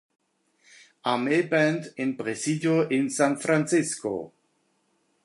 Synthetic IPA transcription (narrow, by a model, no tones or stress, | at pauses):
amebɛnt̪enpʁesidjoʔɪnsãnfɾant͡sisko̰